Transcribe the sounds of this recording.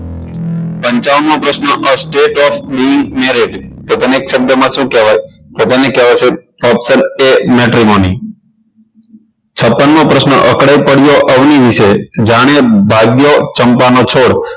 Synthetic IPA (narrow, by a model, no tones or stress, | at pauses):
pəɲt͡ʃaʋnõpɾəsnəʔəsʈeʈɔfʰbiɪŋɡmeɾed͡ʒt̪ot̪əneːksəb̚jəmãʃũkeʋaj | t̪ot̪ənekɛʋat͡ʃʰe | ɔpsənemɛʈɾimoni | t͡ʃʰəpːənmopɾəsnəʔəkɽaipəɽjoʔəʋniʋiʃed͡ʒaɽ̃ebʱaɡjot͡ʃəmpanot͡ʃʰoɽ